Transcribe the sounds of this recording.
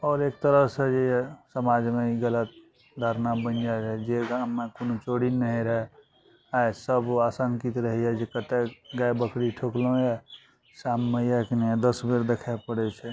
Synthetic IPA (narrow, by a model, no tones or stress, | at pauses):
ɔːɾek̚t̪əɾəɦsəd͡ʒejesəmad͡ʒmeiɡələt̪̚ | d̪ʱaɾnabənd͡ʒaɛd͡ʒeɡamːekonot͡ʃoɽinəɦeɾɦɛ | aesəbasəŋkit̪ɾəɦiɛd͡ʒekət̪eɡaebəkɽiʈʰoklõja | samːəjakend̪əsbeɾd̪ekʰapəɽɛt͡ʃʰɛ